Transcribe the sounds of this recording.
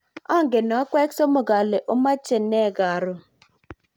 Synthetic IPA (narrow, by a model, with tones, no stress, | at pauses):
ɔ˦ŋ̩˨ɡe˨nɔ˨˦kʷe˦kso˦mo˨ɡa˨le˨ʔo˦ma˦t͡ʃe˨ne˦˨ɡa˨ɾʊ˦